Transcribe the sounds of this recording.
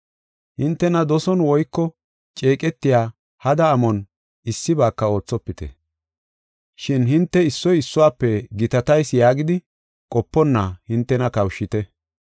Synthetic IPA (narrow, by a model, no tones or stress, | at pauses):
hɪnt̪ːɛnɐd̪ɔsɔnwɔjkːɔ | t͡ʃʼe̞ːkʼɛt̪ːɪjaː | hɐd̪ɐːmɔn | ɪsːɪbaːkːɐo̞ːt͡sːɔpːɪt̪ɛ̰ | ʃɪnhɪnt̪ːɛɪsːɔjɪsːʊwaːpːɛɡɪt̪ɐt̪ɐjsjaːɡɪd̪ɪ | kʼɔpːɔnːɐhɪnt̪ːɛnɐkɐwʃːɪt̪ɛ